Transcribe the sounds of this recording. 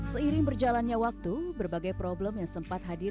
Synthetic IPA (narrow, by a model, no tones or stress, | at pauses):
səiɾɪŋbərd͡ʒalanɲawak̚t̪ubərbaɡajpɾobləmjaŋsəmpat̪̚ɦadi